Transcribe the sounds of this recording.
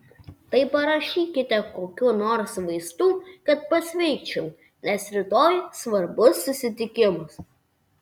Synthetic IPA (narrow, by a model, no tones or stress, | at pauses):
t̪ɐɪpɐɾɐʃʲiːkʲɪt̪ʲɛkoːkʲuːnoːɾsʋɐɪst̪uːkɐt̪̚pɐsʲʋʲɛɪt͡ʃʲʊʊ | nʲɛsɾʲɪt̪oːjsʋɐɾbʊsːʊsʲɪt̪ʲɪkʲɪmʊs